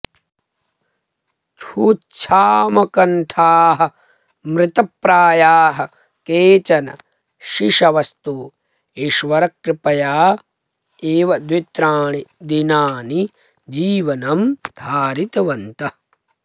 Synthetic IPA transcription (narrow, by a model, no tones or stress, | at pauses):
t͡ʃʰuːt͡ʃʃʰaːmɐkɐɳʈʰaːɦɐ̆ | mɾɪt̪ɐpːɾaːjaːɦɐ̆ | keːt͡ʃɐnɐ̰ | ʃiʂɐʋɐst̪u | iʃʋɐɾɐkɾɪpɐjaː | eːʋɐd̪ʋit̪ɾaːɳid̪inaːni | d͡ʒiːʋɐnɐmd̪ʱaːɾit̪ɐʋɐnt̪ɐ